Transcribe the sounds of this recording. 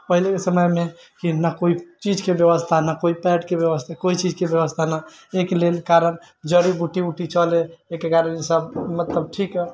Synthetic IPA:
pəɦilekesəməjme | kinakoit͡ʃid͡ʒkebjəbəst̪ʰanakoipɛʈkebjəbəst̪ʰakoit͡ʃid͡ʒkebjəβəst̪ʰana | ekelelkaɾən | d͡ʒəɾibuʈiuʈit͡ʃɔleekekaɾənisəbmət̪ləb̚ʈʰikə

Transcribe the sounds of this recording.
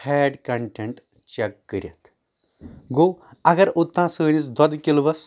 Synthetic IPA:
hɛːɖkɐɳʈeɳʈ | t͡ɕekːəɾʲjɐ̰t̪ | ɡoːɐɡɐɾut̪ːãːsəːnis̬d̪ɐd̪kʲilʋɐs

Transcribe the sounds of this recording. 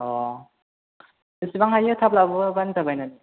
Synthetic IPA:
ɔ | dɯsibaŋhajɯtʰap̚labɯbantʰabajnad

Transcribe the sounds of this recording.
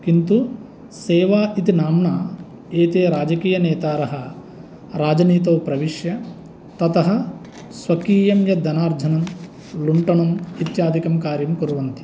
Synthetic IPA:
kint̪u | seːʋaːit̪inaːmɳaː | eːt̪eːɾaːd͡ʒɐkiːjɐneːt̪aːɾɐɦɐ | ɾaːd͡ʒɐniːt̪ɐwpɾɐʋiʂjɐ | t̪ɐt̪ɐɦɐ̆ | sʋɐkiːjɐmjɐd̪ɐnaːɾd͡ʒ̪ʱɐnɐm | luɳʈɐɳɐmit̪jaːd̪ʱikɐmkaːɾjɐmkuɾuʋɐnt̪i̥

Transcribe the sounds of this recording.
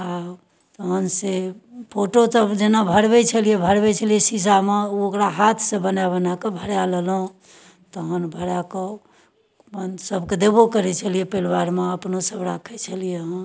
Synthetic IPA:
a | t̪əɦənsepʰoʈosəbd͡ʒenabʱəɾbɛt͡ʃʰəlijebʱəɾbɛt͡ʃʰəlijesis̬ameuokɾaɦat̪ʰsẽbənabənakebʱəɾjalelɦũ | t̪əɦənbʱəɾake | bənsəbked̪ebokəɾɛt͡ʃʰəlijepelwaɾmeəpnosəbɾakʰɛt͡ʃʰəlijeɦə̃

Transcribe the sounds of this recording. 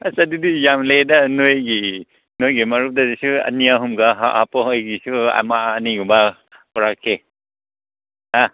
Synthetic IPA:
asɐdudijamledɐnojɡi | nojɡimɐɾup̚dadisuɐ̰niaɦumɡaɦa̰hapɔɦojɡisua̰maːniuba | pɔɾakʰːe | a

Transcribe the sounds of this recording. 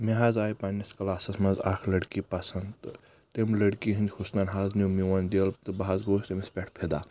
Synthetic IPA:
meɦaːzaːjpanʲiskɐlaːsɐsmɐzaːkʰlɐɽkipɐsɐnd̪ | t̪emʲlɐɽkiɦĩnd̪ʲhusnɐnɦaːznumiwɐnd̪ɐlt̪ɨbɐɦazɡoːst̪emispʲeʈʰpʰed̪a

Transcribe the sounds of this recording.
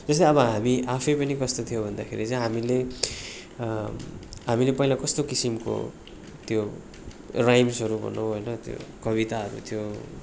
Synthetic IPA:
d͡zʌst̪aʌbʌɦamiʔapʰʌjpʌnikʌst̪ot̪ʰijobʱʌnd̪akʰeɾit͡sʌ̃ɦamile | ɦamilepʌilakʌst̪okisimko̰ | t̪jo | rajmsʌɾubʱʌ̰noɦojnʌt̪jo̰kʌβit̪aʌɾṵt̪ʰjo

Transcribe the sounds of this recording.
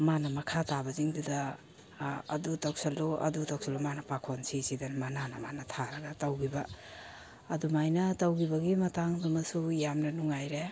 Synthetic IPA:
manɐmɐkʰatabɐziŋdudaː | dutawk̚saloʔɐ̰dutak̚salumanɐpakʰonsisidanmananɐmanɐtʰaɾɐɡatawɡibɐː | dumajnɐtawɡibɐɡimɐtaŋdumɐsujamnɐnuŋajɾe

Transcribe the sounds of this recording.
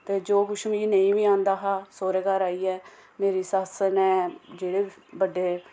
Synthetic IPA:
t̪eːd͡ʒoːkʊʃmĩːnə̃ĩːʋiːãːnd̪aːɦaːsoːɾeːkaːɾaːiːɛː | meːɾiːsəɦəsəɾnɛ̃ːd͡ʒeːɽeːbəɖeː

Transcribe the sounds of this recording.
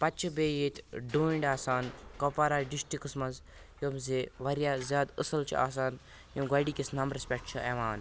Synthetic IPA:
pɐtːt͡ʃʰibeːjeːt̪ʰʲɖuːiɳɖaːsaːnkɐpaɾaɖisʈikɨsmɐnz | jomzeʋɐɾjaːzʲaːd̪ə̰sɐlt͡ʃʰḭa̰ːs̬aːn | jomɡɐɖiːkʲisnɐmɾespʲɛkʈt͡ʃʰɨʔeʋaːn

